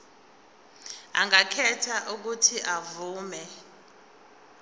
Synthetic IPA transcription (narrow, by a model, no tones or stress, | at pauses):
a̰ŋakʰɛtʰaʔuk̬utʰiʔavuːmɛ